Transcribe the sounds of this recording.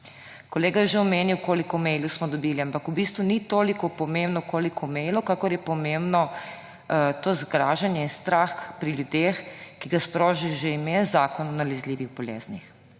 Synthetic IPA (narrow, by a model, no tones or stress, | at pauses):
kɔleːɡajɛʒeɔmeːniwkoːlikɔmɛjlusmɔd̪ɔbiːliampakubist̪ʋunit̪oːlikɔpɔmembnɔkoːlikʰɔmɛjlukakɔɾjɛpɔmembnɔ | t̪oːzɡɾaːʒanjɛinst̪ɾaːxpɾiljud̪eːxkiɡaspɾoːʒiʒeimeːnzaːkɔnɔnalɛzliːʋiɣbɔlḛːznix